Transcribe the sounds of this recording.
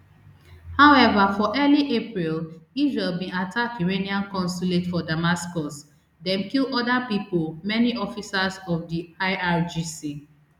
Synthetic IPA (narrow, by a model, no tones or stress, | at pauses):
haʊɛvafɔʔɛliʔepɹilizɹelbĩnatʰakiɹeniãnkɔ̃nsuletfɔdamaskɔs | dɛ̃mkilɔdapipolmɛniʔɔfisazɔfdiaɪʔaɹd͡ʒisi